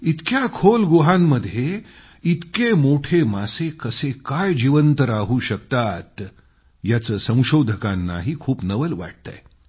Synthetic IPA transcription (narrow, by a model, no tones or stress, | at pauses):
it̪kjakʰolɡuɦãmːəd̪ʱːje | it̪kemoʈʰemasekəsekajd͡ʑiʋənt̪əɾaɦuːɕək̚t̪at̪ | jat͡səːsə̃w̃ɕod̪ʱəkãnːa̰ɦiːkʰuːpnəʋəlʋa̰ʈ̚t̪a̰j